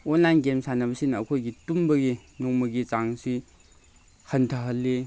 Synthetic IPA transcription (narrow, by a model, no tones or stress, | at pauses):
onlajnɡemsanɐbɐsinɐkʰojɡitumbɐɡinoŋmɐɡit͡ʃaŋsi | hɐntʰɐɦɐlːi